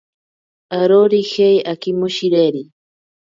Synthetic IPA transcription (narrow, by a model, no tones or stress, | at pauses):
aɾoɾixejakimoʃiɾeɾi